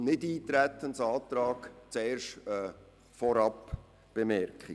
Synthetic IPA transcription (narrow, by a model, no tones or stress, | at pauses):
nɪdiːt̪ɾæt̪ːənsɑːt̪ɾɑːkt͡sɛːɾʃɛ | fɔɾɑp | b̥emɛɾkχi